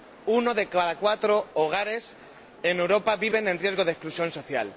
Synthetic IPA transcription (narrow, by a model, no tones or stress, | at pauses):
unoðekaðakwat̪ɾooɣ̞aɾes | enewɾopaβiβ̞e̞nẽnrje̞zɣoð̞esklusjo̞nsoθja̰l